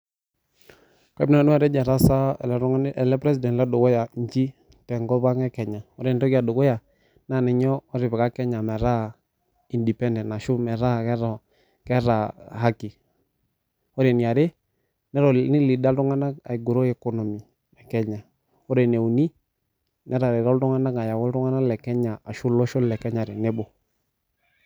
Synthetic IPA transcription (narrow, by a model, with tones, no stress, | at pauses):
ka˦n˦a˨nu˦a˨ɾɛ˦d͡ʒa˨ɾa˦sa̰˦˨lɾɛ˨lɛ˦pɾɛ˦si˨dɛ˨nlɛ˦do˨ɡɔ˦ja˨ɲ˦d͡ʒi˦ | tɛ˨ŋɡɔ˦βa˦ŋɛ˦kɛ˨ɲa˨ɔ˦ɾɛ˨n˨tɔ˦ki˦a˨do˨ɡɔ˦ja˨ | na˦˨nɛ˨ɲɔː˦ɾɪ˨βɛ˨ka˦kɛ˦ɲa˨mɛ˨ɾa˦˨ | i˨ndi˨pɛ˦ndɛ˨na˨ʃu˦mɛ˨ɾa˦˨kɛ˦ɾɔ˨ | kɛ˦ɾa˨ha˦ki˨ | ɔ˦ɾe˨ni˨a˨ɾe˦ | nɛ˦ɾɔ˨˦ni˦li˨da˦ltu˦ŋa˦na˦ka̰˨i˨ɡu˨ɾo˦ɛ˨kɔ˦nɔ˨mi˨ | ɛ˨kɛ˦ɲa˨ | ɔ˦ɾe˨ne˨u˨ni˦ | nʔɛ˦ɾa˨ɾe˨ɾɔ˦ltʊ˦ŋa˦na˦ka˨ja˨wɔ˦ltʊ˦ŋa˦na˦lɛ˨kɛ˦ɲa˨a˨ʃu˦lɔ˦ʃɔ˦lɛ˨kɛ˦ɲa˨ɾe˨ne˦bɔ˨